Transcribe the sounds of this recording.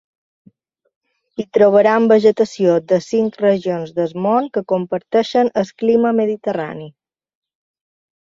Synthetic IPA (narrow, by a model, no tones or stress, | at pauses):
it̪ɾoβ̞əɾaəmbəʒət̪əsiod̪əsiŋkrəʒionzðəzmoŋkəkompəɾt̪ɛʃənəskliməməðit̪əra̰ni